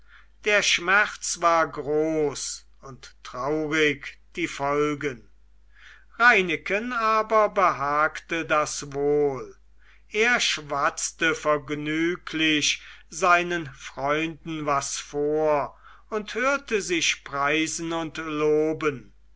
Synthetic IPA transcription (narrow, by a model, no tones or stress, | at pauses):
d̥eːɐʃmɛχtt͡svaːɐɡʁoːs | ʊnttʁ̥aʊʁɪkd̥iːfɔlɡən | ʁaɪnɪkənaːbɐbəɦaːktədasvoːl | ʔeːɐʃvat͡stəfɛɐɡnyːkʰlɪʃzaɪnənfʁ̥ɔʏndn̩vasfoːɐ | ʊnthøːɐtəzɪʃpʁ̥aɪzn̩ʊntloːbən